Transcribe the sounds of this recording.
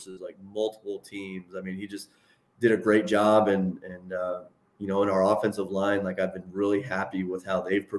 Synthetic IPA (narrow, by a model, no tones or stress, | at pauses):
sɨzlaɪk̚mʌlˠtʰə̥pl̩ˠtʰĩmzaɪmĩnid͡ʒʌst | d̥ɨɾɨɡɹeɪt̚d̥ʒ̥ɑbɨ̃nɨ̃nʌ | jɨnoʊə̃ɾ̃aʊə˞ɔfɛ̃nsʌvlãɪ̃nlaɪkaɪvbɨ̃nɹɪlˠiɦæpiwɪð̥haʊðeɪv̥pʰɹ̥ɨ